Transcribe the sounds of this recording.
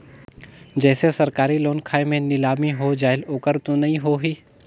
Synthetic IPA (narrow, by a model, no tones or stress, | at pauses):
d͡ʒɛːsesɐɾkaːɾiloːnkʰaːemẽnɪlaːmiɦod͡ʒaːɪloːkəɾt̪õnɐɦĩɦoɦiː